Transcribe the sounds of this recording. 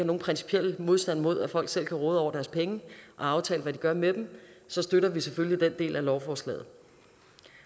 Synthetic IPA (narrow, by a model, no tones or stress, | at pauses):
no̝ːn̩pʰʁɛnsi̥pʰiel̰əmo̝ð̞ˠsd̥ænmo̝ð̞̰ˠæfɒ̽l̰ɡ̥sel̰kʰæʁɔːð̞̩ˠɒʊ̰ɐd̥æɐspʰeŋəʔɒ̽ɑ̈ʊt͡sʰɛ̰ːləʋæd̥iɡ̥ɶɐmed̥em̩sɒ̽sd̥øɾɐʋiseføllid̥en̰d̥e̝̰ːlælɒʊfɒːslɛ̰ːð̞̩ˠ